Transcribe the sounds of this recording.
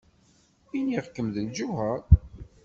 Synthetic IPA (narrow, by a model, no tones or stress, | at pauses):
iniʁkːəmðənʒuɦæɾ